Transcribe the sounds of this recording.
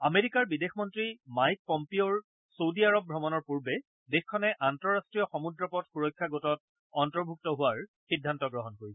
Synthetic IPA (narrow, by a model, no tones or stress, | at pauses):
ameɹikaɹbidexmɔntɹimajk̚pɔmpioɹ | sowdiaɹɔb̚bʱɔmɔnɔɹpuɹbɛ | dexkʰːɔnɛʔantɔɹastɹijɔxɔmudɹɔpɔtxuɹɔjkʰːjaɡotɔt̚ | ɔntɔɹbʱuk̚tɔɦʊwaɹxidʱːantɔɡɹɔɦɔnɦojɛ